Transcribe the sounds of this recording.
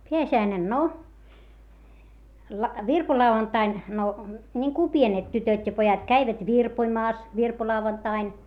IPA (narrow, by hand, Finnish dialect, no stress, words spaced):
peæsiæinen no lɑ ʋirpolɑuɑntɑin no nʲiŋku pienet tytøtʲ jɑ pojɑt kæiʋæt ʋirpoĭmɑːs ʋirpolɑuʋɑntɑin